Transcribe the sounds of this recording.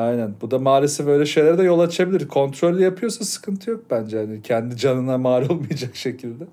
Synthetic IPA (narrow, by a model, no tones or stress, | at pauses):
ajnænbud̪amaːɾʲisibø̞jlʲɛʃe̞jlʲæɾd̪ɛjo̞lˠat͡ʃʰabilʲiɾkʰo̞nt̪ɾo̞lʲːijapʰɯjo̞sasɯ̥kʰɯnt̪ʰɯjo̞k̚bænd͡ʒɛhanicʰɛnd̪id͡ʒanɯnamaːɾolˠmajad͡ʒakʃecʰilʲd̪ɛ